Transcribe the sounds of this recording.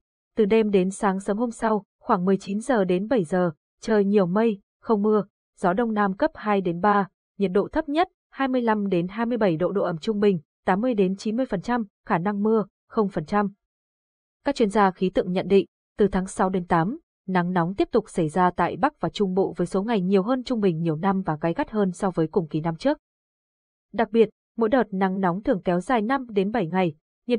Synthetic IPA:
t̪ɨ˨˩ɗe˧mɗe˨˦nsaː˨˦ŋsəː˨˦mɦo˧msa˧w | xwaː˧˩ŋmɨ˨˩əjt͡ɕi˨˦nzəː˨˩ɗe˨˦nɓə˧˩jzəː˨˩ | t͡ɕəː˨˩jɲi˨˩əwmə˧j | xə˧wŋ͡mmɨ˧ə | z̥ɔ˨˦ɗə˧wŋ͡mnaː˧mkə˦˥p̚haː˧jɗe˨˦nɓaː˧ | ɲi˨˩t̚ɗo̰˧˨t̪ʰə˦˥p̚ɲə˦˥t̚ | haː˧jmɨ˧əjla˧mɗe˨˦nɦaː˧jmɨ˧əjɓə˧˩jɗo̰˧˨ɗo̰˧˨ʔə˧˩mt͡ɕʊ˧ŋ͡mɓï˨˩ŋ̟t̪aː˨˦mːɨ˧əjɗe˨˦nt͡ɕi˨˦nmɨ˧əjfə˨˩nt͡ɕa˧m | xaː˧˩na˧ŋmɨ˧ə | xə˧wŋ͡mfə˨˩nt͡ɕa˧m | kaː˦˥k̚t͡ɕwi˧ənzaː˧xi˨˦t̪ɨ̰˧˨əŋɲə̰˧˨nɗḭ˧˨ŋ̟ | t̪ɨ˨˩t̪ʰaː˨˦ŋsa˨˦wɗe˨˦nt̪aː˨˦m | na˨˦ŋnɔ˨˦wŋ͡mt̪i˦˥əp̚t̪ʊ˨˩k͡p̚sə˧˩jzaː˧t̪a̰ː˧˨jɓa˦˥k̚vaː˨˩t͡ɕʊ˧ŋ͡mɓo̰˧˨vəː˨˦jso˨˦ŋa˨˩jɲi˨˩əwɦəː˧nt͡ɕʊ˧ŋ͡mɓï˨˩ŋ̟ɲi˨˩əwna˧mvaː˨˩kaː˨˦jɣa˦˥t̚həː˧nsɔ˧vəː˨˦jkʊ˨˩ŋ͡mki˨˩na˧mt͡ɕɨ˦˥ək̚ | ɗa˨˩k̚ɓi˨˩ət̚ | mo̰˧˥jɗəː˨˩t̚na˨˦ŋnɔ˨˦wŋ͡mt̪ʰɨ˨˩əŋkɛ˨˦wzaː˨˩jna˧mɗe˨˦nɓə˧˩jŋa˨˩j | ɲḭ˨

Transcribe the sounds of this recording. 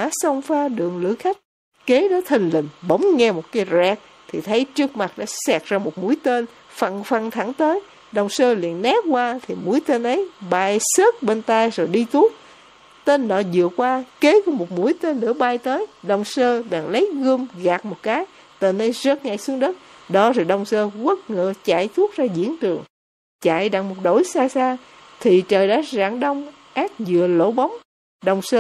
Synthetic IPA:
aː˧˦sə˧wŋ͡mfaː˧ɗɨ̰˨˩əŋlɨ̰˧˥əxa˦˥jk̟̚ | ke˨˦ɗɔ˨˦t̪ʰï˨˩ŋ̟lï˨˩ŋ̟ɓə˨˦wŋ͡mŋɛ˧mo˨˩t̚kaː˨˦jzɛː˨˩k̚ | t̪ʰi˨˩t̪ʰə˨˦jt͡ɕɨ˦˥ək̚ma˨˩t̚ɗa̰ː˧˥sɛː˨˩k̚zaː˧mo˨˩t̚mu˧˥əjt̪e˧n | fə̰˧˩nfə˧˩nt̪ʰa˧˩˦ŋt̪əː˨˦j | ɗə˨˩wŋ͡msəː˧lḭ˧˨ənːɛː˦˥p̚kwaː˧t̪ʰi˨˩mu˨˧˥əjt̪e˧nʔə˨˦jɓaː˧˩jsəː˦˥t̚ɓe˧nt̪a˧jzo˨˩jɗi˧t̪u˦˥ək̚ | t̪e˧nɗɔ̰˧˩˦zɨ̰˧˨əkwaː˧ke˨˦ku˧˦mo˨˩t̚mṵ˧˥əjt̪e˧nnɨ̰˧˥əɓaː˧jt̪əː˨˦jɗə˨˩wŋ͡msəː˧ɓa̰ː˨˩ŋlə˨˦jɣɨ˧mɣaː˨˩t̚mo˨˩t̚kaː˨˦j | t̪e˨˩nʔə˨˦jzə˦˥t̚ŋa̰˧˩˨jsɨ˧əŋɗə˦˥t̚ | ɗɔ˨˦zaː˨˩ɗə˨˩wŋ͡msəː˧ɣə˦˥t̚ŋə̰ː˧˨˦t͡ɕa̰ː˧˨jt̪ʰu˦˥ək̚zaː˧zḭ˧˥əntɨ˨˩əŋ | t͡ɕa̰ː˧˨jɗa˨˩ŋ̚mo˨˩t̚ɗo̰˧˩jsaː˧saː˧ | t̪ʰi˨˩t͡ɕəː˨˩jɗa̰ː˧˥za̰ː˧˩ŋɗə˧wŋ͡m | ʔaː˦˥t̚zɨ̰˧˨əlo̰˧˥ɓɔ˨˦wŋ͡m | ɗə˨˩wŋ͡msəː˧

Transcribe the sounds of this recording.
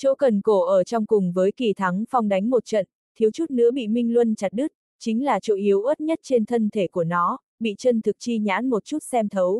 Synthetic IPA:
t͡ɕo̰˧˥kə˨˩nko˧˩ʔəː˧˩t͡ɕɔ˧wŋ͡mkʊ˨˩ŋ͡mvəː˨˦jki˨˩t̪ʰa˨˦ŋfa˧wŋ͡mɗa˨˦jŋ̟mo˨˩t̚t͡ɕə̰˧˨n | t̪ʰi˨˦wt͡ɕu˦˥t̚nɨ̰˧˥əɓḭ˧˨mï˧ŋ̟lwə˧nt͡ɕa˨˩t̚ɗɨ˦˥k̚ | t͡ɕï˨˦ŋ̟laː˨˩t͡ɕo̰˧˨ʔi˨˦əwʔə˦˥t̚ɲə˦˥t̚t͡ɕe˧nt̪ʰə˧nt̪ʰe˧˩ku˧˩ənɔ˨˦ | ɓḭ˧˨t͡ɕə˧nt̪ʰɨ˨˩k̚t͡ɕi˧ɲa̰ː˧˥nmo˨˩t̚t͡ɕu˦˥t̚sɛ˧mt̪ʰə˨˦w

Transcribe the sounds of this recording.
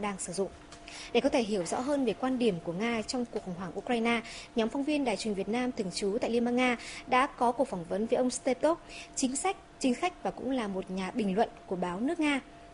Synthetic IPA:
ɗaː˧ŋsɨ˧˩zʊ̰˧˨ŋ͡m | ɗe˧˩kɔ˨˦t̪ʰe˧˩ɦi˧˩əwzɔ̰˧˥ɦəː˧nve˨˩kwaː˧nɗi˧˩əmku˧˩əŋaː˧t͡ɕɔ˧wŋ͡mku˨˩ək̚xə˨˩wŋ͡mɦwaː˧˩ŋʔu˧kɾwaː˧jnaː˧ɲɔ˨˦mfɔ˧wŋ͡mvi˧ənɗaː˨jt͡ɕwi˨˩ŋ̟vət̚naː˧mt̪ʰɨ˨˩əŋt͡ɕu˨˦t̪a̰ː˧˨jli˧nɓaː˧nŋaː˧ɗa̰ː˧˥kɔ˨˦ku˨˩ək̚fa˧˩ŋ͡mvə˨˦nvəː˨˦ʔə˧wŋ͡mst̪e˧p̚t̪o˦˥k̚t͡ɕï˨˦ŋ̟sa˦˥jk̟̚t͡ɕï˨˦ŋ̟xa˦˥jk̟̚vaː˨˩kʊ̰˧˥ŋ͡mlaː˨˩mo˨˩t̚ɲaː˨˩ɓï˨˩ŋ̟lwə̰˧˨nku˧˩əɓaː˨˦wnɨ˦˥ək̚ŋaː˧

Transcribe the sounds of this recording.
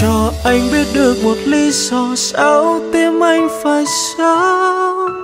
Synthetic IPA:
ɔ˧˩ʔa˧jŋ̟ɓi˦˥ət̚ɗɨ˨˩ək̚mo˨˩t̚li˧sɔ˧˩sa˧˦wt̪e˧mʔa˧jŋ̟faː˨˩jsa˧˦

